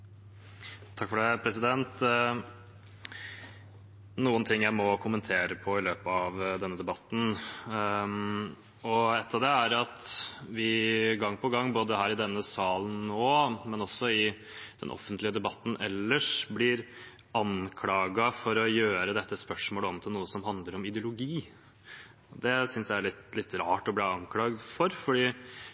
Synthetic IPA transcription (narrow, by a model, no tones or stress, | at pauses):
t̪ʰɑkːfɔɖɛpʰɾɛsɪd̪ɛnt̪ | nuːənt̪ʰɪŋːjæɪmɔkʰʊmənt̪ʰeːɾəpʰɔɪløːpəɑʋd̪ɛnːəd̪ɛbɑt̪ːn̩ | ɔɛt̪ːɑʋd̪ɛæɾɑt̪ʋɪɡɑŋːpʰɔɡɑŋːboːd̪əhæːɾɪd̪ɛnːəsɑːlənnoːmɛnɔsːɔɪ | d̪̥ɛ̰nʔɔ̰fənt̪lɪəd̪ɛbɑt̪ːn̩ɛ̰lːəʂblɪɾ | ɑnkʰlɑːɡɑfɔɾɔjøːɾəd̪ɛt̪ːəspœʂmoːləɔmt̪ʰɪlnuːəsɔmɦɑnd̪ləɾɔmɪd̪ɪʊlʊɡiː | ɔd̪ɛsʏnsjæɪæɭɪt̪lɪt̪ːɾɑːʈɔbliːɑŋkʰlɑːɡd̪fɔɾfɔɖiː